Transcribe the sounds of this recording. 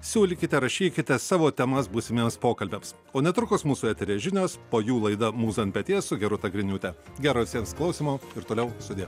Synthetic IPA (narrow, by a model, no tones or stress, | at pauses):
sʲuːlʲɪkʲɪt̪ʲɛɾɐʃʲiːkʲɪt̪ʲɛsɑːʋoːt̪ʲɛmɐsbuːsʲɪmʲeːmspoːkɐlʲbʲeːms | oːnʲɛt̪ɾʊkoːsmuːsuːɛt̪ʲɛɾʲeːʒʲɪnʲoːspoːjuːlˠɐɪd̪ɐmuːsɐnʲpʲɛt̪ʲeːssʊɡʲɛɾʊt̪ɐɡɾʲɪnʲuːt̪ʲɛɡʲæːɾoːʋʲɪsʲiɛmsklˠɐʊsʲiːmoːɪɾt̪oːlʲɛʊsʊd̪ʲeː